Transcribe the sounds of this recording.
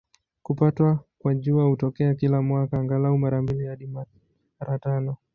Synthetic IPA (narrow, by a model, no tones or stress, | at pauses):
kupatwakwaʄuahutɔkɛakilamwakaːŋɡalaumaɾambilijaɗima | ɾatanɔ